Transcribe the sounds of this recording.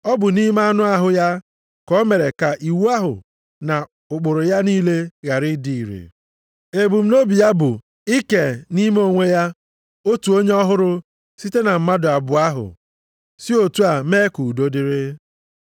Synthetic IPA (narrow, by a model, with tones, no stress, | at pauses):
ɔ˦bʊ˨ni˦m˦a˦nʊ˦a˦ɦʊ˨ja˦ | kɔ˦me˨ɾe˨ka˨ʔi˨wu˦a˦ɦʊ̰˨ | na˨ | ʊ˨k͡pʊ˨ɾʊ˨ja˦niː˦le˦ɣa˨ɾɪ˦di˨i˨ɾḛ˨ | e˨bu˨m̩˦no˦bi˨ja˦bʊ˨ | i˦ke˨ni˦me˦o˦ŋʷe˦ja˦ | o˦tu˨o˦ɲe˦ɔ˦ɦʊ˦ɾʊ˦ | si˦te˦na˨m̩˨ma˦dʊ˨a˨bʊ˨a˦ɦʊ̰˨ | si˦o˨tu˦a˨me˦ku˨do˦dɪ˦ɾɪ˦